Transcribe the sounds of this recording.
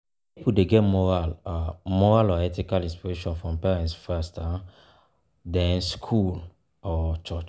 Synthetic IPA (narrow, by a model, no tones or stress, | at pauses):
ipudeɡɛtmɔɹalamɔɹalɔɛtikalĩnspiɹeʃɔ̃nfɹɔ̃mpɛɹɛ̃ntsfasta | dɛ̃nskʰul | ɔt͡ʃɔt͡ʃ